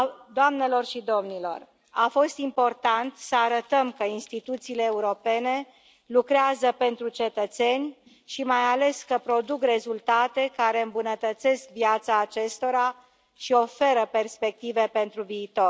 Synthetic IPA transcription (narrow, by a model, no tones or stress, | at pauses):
d̪oamne̞lo̞rʃid̪o̞mnilo̞̰r | afo̞st̪impo̞rt̪ant̪səaɾət̪əmkəinst̪it̪ut̪siːle̞ːuɾo̞pe̞ne̞ | lukɾeazəpe̞nt̪ɾut͡ʃe̞t̪ət̪se̞nʲ | ʃimajale̞skəpɾo̞d̪ukre̞zult̪at̪e̞kaɾe̞ɨmbunət̪ət̪se̞skvjat̪saːt͡ʃe̞st̪o̞ɾa | ʃio̞fe̞ɾəpe̞rspe̞k̚t̪ive̞pe̞nt̪ɾuviːt̪o̞r